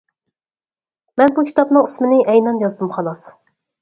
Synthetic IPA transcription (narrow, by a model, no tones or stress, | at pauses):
mɛnbukʲʰi̥t̪ʰɑpnɨŋismɪnɪʔɛjnɑnjɑzd̪ɨmqʰɑlˠɑs